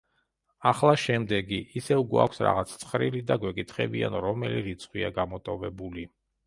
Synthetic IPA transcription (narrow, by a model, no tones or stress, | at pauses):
aχlˠaʃɛmd̪ɛɡiːsɛvɡwa̰kʷʰsɾa̰ʁat̪sʰt̪sʰχɾilid̪aɡwɛkʼit̪ʰχɛ̰bia̰nɾɔmɛliɾit̪sʰχwiaɡamɔt̪ʼɔvɛbuli